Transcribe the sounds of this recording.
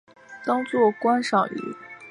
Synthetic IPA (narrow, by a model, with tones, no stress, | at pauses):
t̪ɑ˥ŋt͡swɔ˥˩kwa˥nʂɑ˨˩ŋy̰˧˥˦